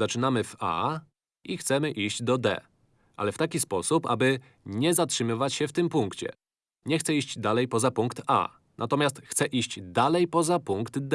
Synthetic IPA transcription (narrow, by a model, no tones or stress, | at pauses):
zat͡ʂɘnamɘva̰ | ixt̪sɛmɘʔiɕd͡ʑd̪ɔd̪ɛ̰ | ʔa̰lɛft̪akʲispɔsupa̰bɘ | ɲɛzatʂɘmɘvat͡ɕɕɛft̪ɘmpuŋkt͡ɕɛ̰ | ɲɛxt̪sɛiɕd͡ʑd̪alɛjpɔzapuŋkt̪a̰ | nʔat̪ɔmʲjast̪xt̪sɛʔiɕt͡ɕd̪alɛjpɔzapuŋkt̪d̪